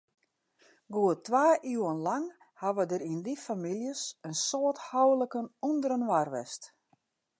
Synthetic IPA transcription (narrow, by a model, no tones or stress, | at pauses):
ɡuətʋaːʔyənlaŋ | haʋədəɾindifamiljəsənsoəthawləkənundəɾənʋarʋɛ̰st